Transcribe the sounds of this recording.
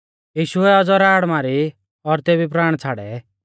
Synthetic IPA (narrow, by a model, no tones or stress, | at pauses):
jiːʃʊɛɔd͡zɔɾaːɽmaːɾi | ɔɾt̪eːbip̬ɾaːɽ̃t͡sʰaːɽɛ̰